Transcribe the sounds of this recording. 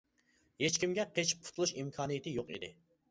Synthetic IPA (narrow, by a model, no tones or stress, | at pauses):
het͡ʃkʲimɡʲɛqʰet͡ʃʰp̚pʰu̥t̪ʰulˠuʃimkʰɑːnijet̪ʰɪjoqḭd̪ɪ̰